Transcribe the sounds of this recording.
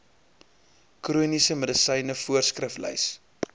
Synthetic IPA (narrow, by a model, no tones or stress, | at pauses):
kruənisəmədəsəjnəfuərskrəflə̰js